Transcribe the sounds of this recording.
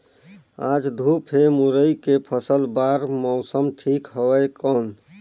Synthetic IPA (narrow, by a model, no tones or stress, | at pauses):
ad͡ʒd̪ʱupʰemuɾəikepʰəsəlbaɾmɔʊsəmʈʰikɦəwəjkɔn